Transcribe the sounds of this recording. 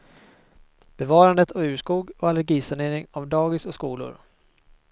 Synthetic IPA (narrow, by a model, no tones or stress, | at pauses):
b̥ɛvɑːɾand̪ət̪ʰɔʉ̟ːʂkuːɡɔalɛɾɡiːsaɳeːɾɪŋavd̪ɑːɡɪsɔskuːlʊ̰ɾ